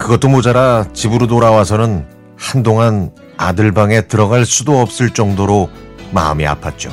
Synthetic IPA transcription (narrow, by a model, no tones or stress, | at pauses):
kɯɡʌt͈ːomod͡ʑaɾat͡ɕibɯɾotoɾawasʰʌnɯn | handoŋan | a̰dɯɭbaŋe̞tɯɾʌɡaɭsʰudoʌp̚s͈ɯɭt͡ɕ͈ʌŋdoɾoma̰ɯmia̰pʰat̚t͡ɕ͈o̰